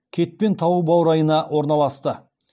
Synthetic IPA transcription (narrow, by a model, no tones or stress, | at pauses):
kʲʰe̞t̪̚pe̞nt̪ʰɑwubɑwɾɑjənɑwo̞ɾnɑlˠɑst̪ə